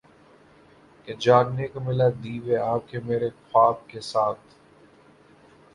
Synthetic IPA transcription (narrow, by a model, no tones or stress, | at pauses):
ked͡ʒaːɡnekomɪlad̪iːʋeaːp̚kemeːɾexaːb̚kesaːt̪ʰ